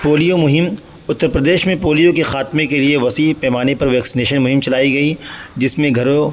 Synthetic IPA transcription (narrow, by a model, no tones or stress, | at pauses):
poːlijomʊɦɪm | ʊt̪ːəɾpɾɐd̪eːʃmẽpoːlijõkexaːt̪mẽkelieʋɐsiːpɛːmaːnepɐɾʋɛːksɪneːʃənmʊɦɪ̃mt͡ʃɐlaːiɡɐid͡ʒɪsmẽɡʱɐɾõ